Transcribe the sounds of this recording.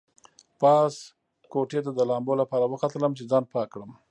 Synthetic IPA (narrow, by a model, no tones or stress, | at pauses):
pɑs | koʈet̪ad̪əlɑmbolapɑɾawəqat̪ələmt͡ʃezɑnpɑkɽəm